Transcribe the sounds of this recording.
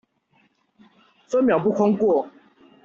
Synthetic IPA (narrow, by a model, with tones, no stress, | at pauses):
fə˥mjɑ˨˩ʊp̬u˥˨kʰɑ˥ŋkwɔ˥˨